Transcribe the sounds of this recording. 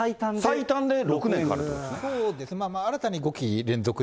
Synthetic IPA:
ait̪ãndsit̪ãnd̪e̞ɾokɯ̟nẽkaɾɾ̰o̰j̰sneoːd̪e̞sɨnemaːmaːɾat̪aɲ̟iɡo̞kʲiɾẽnzo̞kɯ

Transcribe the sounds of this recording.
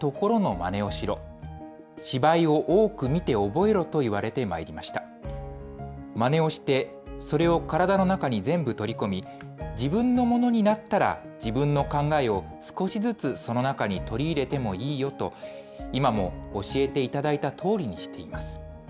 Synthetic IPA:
t̪o̞ko̞ɾo̞no̞ma̰ne̞o̞ɕiɾo̞ | ɕibaio̞ʔoːkɯ̟mʲit̪e̞o̞bo̞e̞ɾo̞t̪o̞iβ̞aɾe̞t̪e̞maeɾʲimaɕi̥t̪ḁ | mane̞o̞ɕi̥t̪e̞ | so̞ɾe̞o̞kaɾad̪ano̞nakaɲ̟izẽ̞mbɯ̟t̪o̞ɾʲiko̞mʲi | d͡ʑibɯ̟̃nːo̞mo̞no̞ɲ̟inat̪ːaɾa̰ | d͡ʑibɯ̟̃nːo̞kãŋɡae̞o̞ | sɨ̥ko̞ɕizɨt͡sɨso̞no̞nakaɲ̟it̪o̞ɾʲiːɾe̞t̪e̞mo̞iːjo̞t̪o̞ | imamoːɕie̞t̪e̞it̪ad̪ait̪at̪ʰo̞ːɾʲiɲ̟iɕi̥t̪e̞imasɨ̥

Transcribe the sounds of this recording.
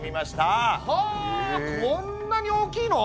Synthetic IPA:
mʲimaɕi̥t̪a | õnːaɲ̟io̞ːkʲiːno

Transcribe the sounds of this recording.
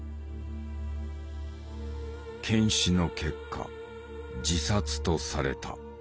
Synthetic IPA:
kʰẽ̞ɰ̃ɕino̞kʰe̞kʰːa̰ | d͡ʑisat͡sɨ̥t̪o̞saɾe̞̰t̪a̰

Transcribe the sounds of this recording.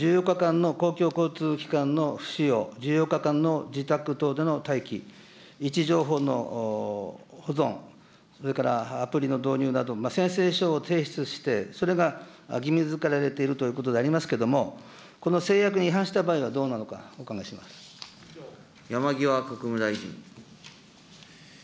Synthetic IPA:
d͡ʑɨːjo̞kːakãnːo̞ko̞ːkʲo̞ːko̞ːt͡sɨːkʲi̥kãnːo̞ɸɯ̟̥ɕijo̞ːd͡ʑɨːjo̞kːakãnːo̞d͡ʑit̪akɯ̟t̪o̞ːd̪e̞no̞t̪aikʲi | it͡ɕiʑo̞ːɦo̞ːno̞̰ | ho̞zõ̞ŋ | so̞ɾe̞kaɾa̰ːpɯɾʲino̞d̪o̞ːɲ̟ɨːnad̪o̞masẽ̞ɰ̃se̞ːɕo̞ːt̪ʰe̞ːɕi̥t͡sɨɕi̥t̪e̞so̞ɾe̞ɡaɡʲimʲizɨkaɾaɾe̞t̪e̞iɾɯ̟t̪o̞jɯ̟ːko̞t̪o̞d̪e̞aɾʲimasɨ̥ke̞d̪o̞mo̞ | ko̞no̞se̞ːjakɯ̟ɲ̟iiɦãɰ̃ɕi̥t̪abaːiβ̞ad̪o̞ːnano̞ka̰okaɡaɕima̰sɨ̥ | jamaɡʲiβakakɯ̟mɯ̟d̪aiʑḭ̃ŋ

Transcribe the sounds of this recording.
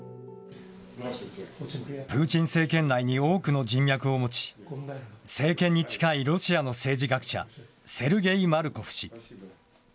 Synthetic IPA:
pɯ̟ːt͡ɕĩɰ̃se̞ːkẽ̞nːaiɲ̟io̞ːkɯ̟no̞d͡ʑĩmjakɯ̟o̞mo̞t͡ɕi̥ | se̞ːkẽ̞ɲ̟ːit͡ɕi̥kaiɾo̞ɕiano̞se̞ːd͡ʑiɡakɯ̥ɕa̰ | se̞ɾɯ̟ɡe̞imaɾɯ̟ko̞ɸɯ̟̥ɕi

